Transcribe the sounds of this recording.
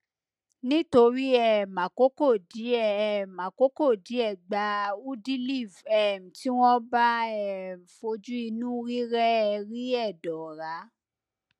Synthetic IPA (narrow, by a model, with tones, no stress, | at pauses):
nĩ˦to˧ɾi˦ɛ˨mã˨ko˨˦ko˦˨di˨˦ɛ˨m˨ã˨ko˨˦ko˦˨di˨˦ɛ˦˨ɡ͡ba˨˧u˦di˦li˦˨vɛ˦˨m̩˨ti˦w̃ɔ̃˦ba˦ɛ˦˨m̩˨fo˧d͡ʒu˦i˧nũ˦ɾi˦ɾɛ˦ɛ˧ɾi˦ɛ˦˨dɔ˨ɾa˨˦